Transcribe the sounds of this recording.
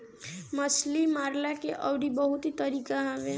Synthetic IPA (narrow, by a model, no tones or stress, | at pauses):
məslimaɾlakeʔəwɽibəɦut̪it̪əɾikaɦabe